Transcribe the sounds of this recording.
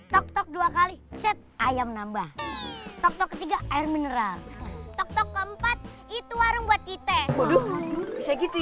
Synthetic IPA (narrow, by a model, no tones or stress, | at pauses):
t̪ɔk̚t̪ɔk̚duakalisɛt̪̚ʔajamnambaht̪ɔk̚t̪ɔkːət̪iɡaʔːɪrmənəɾalt̪ɔk̚t̪ɔkːəəmpat̪̚it̪uwaɾʊŋbuat̪̚kit̪abodubisaɡit̪i